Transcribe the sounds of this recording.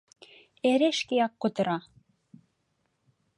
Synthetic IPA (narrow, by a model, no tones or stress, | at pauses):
eɾeʃkejɑkːot̪ə̆ɾɑ